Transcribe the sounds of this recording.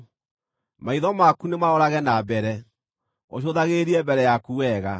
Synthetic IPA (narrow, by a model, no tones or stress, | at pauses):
maiðɔmakunemaɔɾaɣɛnabɛɾɛ | oɕ̬oðaɣeɾiɛbɛɾɛjakuwɛɣa